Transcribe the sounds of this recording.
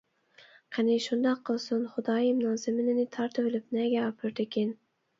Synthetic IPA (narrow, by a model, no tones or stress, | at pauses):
qʰɑnɪʃʊnd̪ɑqʰːɨlˠsʊnχʊd̪ɑjimnɑːzɪmɪnɪnɪt̪ʰɑɾt̪ʰɪvɪlɪpnɛɡʲaɒpʰɪɾd̪ekʲen